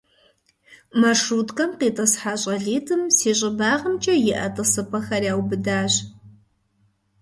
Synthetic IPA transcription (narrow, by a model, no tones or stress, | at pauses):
mɐrʂuːtkʼɐmqeːtʼɐsħaːɕʼɐɮiːtʰʼɨmseːɕʼɪbaːʁəmt͡ʃʼɐjɪʔɐ̰tʼɨsɨpʰʼɐxɐrjaːwbɨdaːɕ